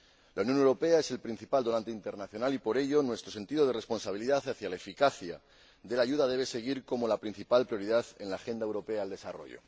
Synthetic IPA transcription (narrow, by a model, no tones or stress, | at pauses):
launjo̞newɾo̞pe̞ae̞se̞lpɾin̟θipald̪o̞nãnt̪eint̪e̞ɾnaθjo̞nalipo̞ɾe̞ʝo̞nwe̞st̪ɾo̞se̞nt̪iðo̞ð̞e̞re̞spo̞nsaβ̞iliðaθaθjalaefikaθja | ðe̞laʝuðað̞e̞β̞e̞seɣ̞iɾko̞molapɾin̟θipalpɾjo̞ɾiðaθe̞nlaːxe̞nd̪aewɾo̞pe̞aːld̪e̞saro̞̰ʝo̞̰